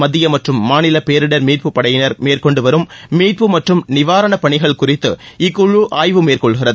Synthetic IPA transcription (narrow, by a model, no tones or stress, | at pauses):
mɐðːɪjɐmɐʈrɯmːaːnɪlɐpeːɾɪɽɐɾmiːr̚pɯpːɐɽɐjɪnɐɾmeːrkɔɳɖɯʋɐɾɯmːiːʈ̚pɯmɐʈrɯmnɪʋaːɾɐɳɐpɐɳɪɣɐɭkʊrɪt̪ːɯɪkːʊɻuʔaːjʋɯmeːɾkɔɭɣɪrɐðɯ